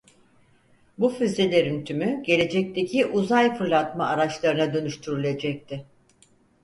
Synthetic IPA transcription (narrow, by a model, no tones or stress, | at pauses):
bufyzelʲeɾynt̪ʰymyɟe̞lʲe̞d͡ʒɛc̚t̪ʰe̞cʰiʔuzajfɯɾlˠat̪maːɾat͡ʃlˠaɾɯnad̪ø̞nyʃt̪ʰyɾylʲe̞d͡ʒɛc̚t̪ʰɪ